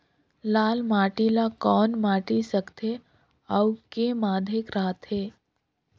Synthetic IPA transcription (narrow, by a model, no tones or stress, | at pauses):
laːlmaːʈilakɔːnmaːʈisəkt̪ʰe | ɔwkemaːd̪ʱekɾaːt̪ɦeː